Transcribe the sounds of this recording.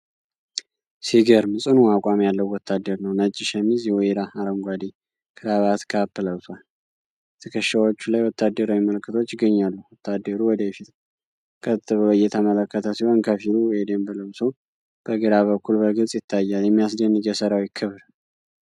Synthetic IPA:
siɡəɾmɨsʼɨnuakʼamjalːəwwɔt̪ʰːad̪ːəɾnəwnət͡ʃʼːɪʃəmːizjɛweɾaaɾəŋɡʷad̪i | kʰɨɾaβat̪kʰapːɨləwsʰwal | ɛt̪ʰəkʰəʃːawot͡ʃːulajwɔt̪ʰːad̪ːəɾawiməlkʰːɨt̪ʰo̞t͡ʃːɪɡːəɲːalːuwɔt̪ʰːad̪ːəɾuwɔd̪əjɛfit̪ | kʰət̪ːɨβəojɛt̪ʰəmələkːət̪ʰəsiho̞nkʰəfilued̪embɨləwso | b̥əɡɨɾaβəkːulbəɡɨt͡sʼjɪt̪ʰːajːaljɛmːijasd̪ənːɨɡjɛsəɾawjɪkʰːɨβɾ

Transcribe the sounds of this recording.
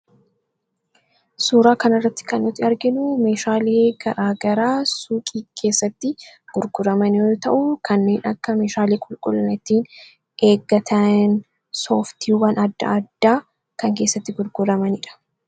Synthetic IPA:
suːɾaːkɐnɐrːɐt̪ːɪ̥kɐnːɔt̪ːɪɐɾɡɪnʊme̞ːʃaːleːɡ̥ɐɾaːɡɐɾaːsuːkʼiːkʰe̞ːsːɐt̪ːɪɡ̥ʊɾɡʊɾɐmɐnot̪ɐʔukʰɐnːe̞ːnɐkːɐme̞ːʃaːleːkʼʊlkʼʊlːɐnɪt̪ːiːn | e̞ːɡːɐt̪ʰɐn | so̞ːft̪iːwɐnɐd̪ːɐ̰ɐd̪ːaː | kɐŋke̞ːsːɐt̪ːɪɡʊɾɡʊɾɐmɐnɪᶑɐ̥

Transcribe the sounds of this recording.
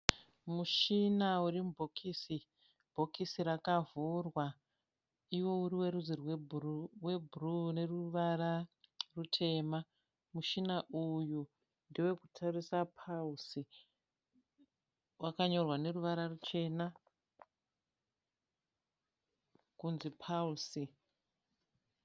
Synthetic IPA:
muʃinaurimubʱokʰiːsi | bʱo̞kisiɾakavurwa | iwo̞uɾiweɾuzirwewe̞bʱurune̞ruʋararutʰe̞ːma | muʃinaʔuju | ndiwe̞kutʰarisapʰausi | wakaɲo̞rwane̞ruʋaɾarut͡ʃe̞ːna | kunzipʰausi

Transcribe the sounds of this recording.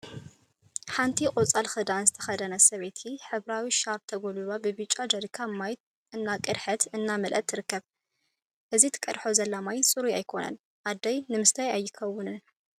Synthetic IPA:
ħant̪ʰikʼot͡sʼalxɨd̪anzɨt̪ʰɐ̥xɐd̪ɐnɐsɐβet̪ʰiħɨβɾawiʃaɾb̚t̪ʰɐɡolulobɨbɨt͡ʃʼːad͡ʒ̪ɐɾkʰamːajt̪̚ | ʔɨnːakʼɨɾħɨt̪ʰɨnːamɨlʔɐ̰t̪ʰːɨɾɨkːɐβ | ʔɨzit̪ʰɨ̥kʼɐd̪ħozɐlːamajsʼɨɾuajkʰo̞nɐ̰n | ʔad̪ɐjnɨmɨst̪ʰajajːɪkʰɐwːʊnɨn

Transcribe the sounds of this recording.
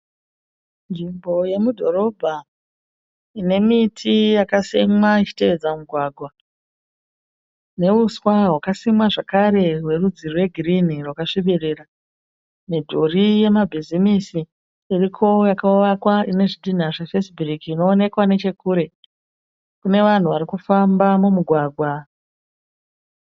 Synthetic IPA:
nd͡ʒimbʱo̞je̞mudʱo̞ɾo̞bʱa | ine̞mitʰijakasemwait͡ʃi̥te̞ed͡zamuɡʱwaɡʱwa | ne̞uswaɦwakasimwaʐakaɾe̞ɦwe̞rud͡zirwe̞ɡʱirinirwakaʂiɓirira | nedʱorije̞mabʱizimisi | irikʰo̞jakauʋakwaine̞ʐidʱin̤aʐefesburikiːno̞ːne̞kwane̞t͡ʃe̞kuːɾe̞ | kune̞ʋan̤uʋaɾikufambamumuɡʱwaːɡʱwa

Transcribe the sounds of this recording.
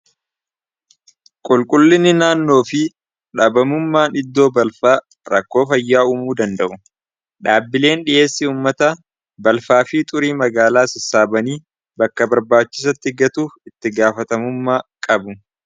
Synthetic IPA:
kʼʊlkʼʊlːɪnːɪnaːnːo̞ːfɪ | ᶑɐbɐmʊmːaːnɪd̪ːo̞ːbɐlfaː | ɾɐkːo̞ːfɐjːaːuːmuːd̪ɐnd̪ɐʔʊ | ᶑaːbːɪle̞ːnᶑɪʔe̞ːsːɪuːmːɐt̪ɐ | bɐlfaːfit̪ʼʊɾiːmɐɡaːlaːsɪsaːbɐniː | bɐkːɐbɐɾbaːt͡ʃːɪ̥s̬ɐt̪ːɪɡɐt̪uːfɪt̪ːɪɡaːfɐt̪ɐmʊmːaːkʼɐbʊ

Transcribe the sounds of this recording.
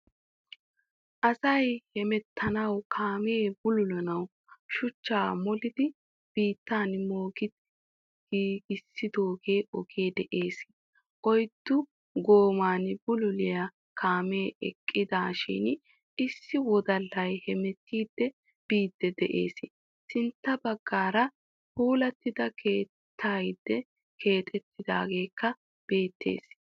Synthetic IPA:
ʔɐsɐjhɛmɛt̪ʰːɐnɐwkʰaːme̞ːbʊlʊlɐnɐw | ʃʊt͡ʃːaːmɔlɪd̪ɪ | b̥iːt̪ːaːnmoːɡɪd̪ | ɡ̥iːɡɪsːɪd̪o̞ːɡe̞ːɔɡeːd̪ɛʔeːs | ʔɔjd̪ːʊ | ɡoːmaːnbʊlʊlɪjɐ | kʰaːmeːɛ̰kʼːɪd̪aːʃɪ̰n | ʔɪsːɪwɔd̪ɐlːɐjhɛmɛt̪ːiːd̪ːɛ | b̥iːd̪ːɛd̪ɛʔe̞̰ːsɪ | sɪnt̪ːɐbɐɡːaːɾɐ | huːlɐt̪ːɪd̪ɐkʰe̞ː | t̪ʰːaːjd̪ːɛ | kʰe̞ːt̪ʼɛt̪ːɪd̪a̰ːɡe̞ːkʰːɐ | b̥e̞ːt̪ːḛːs

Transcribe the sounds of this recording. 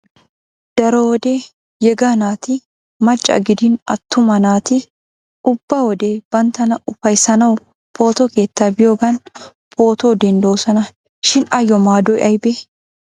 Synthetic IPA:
d̪̥ɐɾɔwɔd̪e | jɛɡanaːt̪ɪ | mɐt͡ʃʼːɐ̰ɡɪd̪ɪnɐ̰t̪ːʊmɐnaːt̪ɪ | ʔʊb̥ːɐwɔd̪eb̥ɐnt̪ːɐnɐʔʊfɐjsɐnɐw | pʰo̞ːt̪ɔke̞ːt̪ːaːbɪjoːɡɐn | pʰo̞ːt̪oːd̪ɛnd̪oːsɐnɐ | ʃɪnɐjɔmaːd̪ɔjʔɐjbe

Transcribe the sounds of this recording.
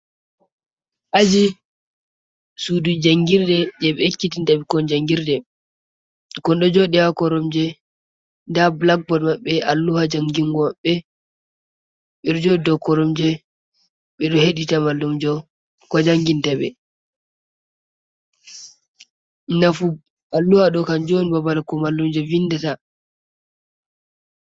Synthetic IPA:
ʔad͡ʒi | sudud͡ʒaŋɡiɾdɛd͡ʒɛɓɛekːitintaɓikɔnd͡ʒaŋɡiɾdɛ | kɔnɗɔd͡ʒɔɗɛjakɔɾɔmd͡ʒɛ | ndablak̚bɔdmaɓːɛalːuhad͡ʒaŋɡiŋɡɔmaɓːɛ | ɓɛɾd͡ʒɔdɔkɔɾɔmd͡ʒɛ | ɓɛɗɔheɗitamalːumd͡ʒɔ | kɔd͡ʒaŋɡintɛɓɛ̰ | nafu | ʔalːuhaɗɔkand͡ʒonibabalakɔmalːumd͡ʒɛvinːdata

